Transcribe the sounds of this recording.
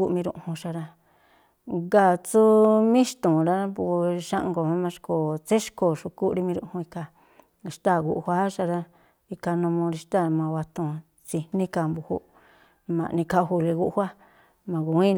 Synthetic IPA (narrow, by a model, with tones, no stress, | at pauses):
u˦˧mĩ˧ɾṵ̃˧˨hũ˧ʃa˧ɾa˧ | ɡa˧˨t͡su˦mĩ˦ʃt̪ũ˨ɾa˦a˦pu˧ʃã˦ʔŋɡo˨mã˧˦mã˧ʂko˨t͡se˦ʃko˧˨ʃu˧ku˦ʔɾi˧mĩ˧ɾṵ̃˧ʔhũ˧i˧ka˧˨˧ | ʃt̪a˦˨ɣu˧˨ʔhʷa˦ʃa˧ɾa˧ | i˧ka˧nũ˧mõ˧ɾi˧ʃt̪a˦˨˧mã˧wa˧t̪ũ˧˨ | t͡si˧nĩ˦ka˧mbu˧hṵ˧˦ | mã̰˨˧nĩ˧ka˧hu˧le˧ɣu˦ʔhʷa˦ | mã˨ɣu˨˦ĩ˦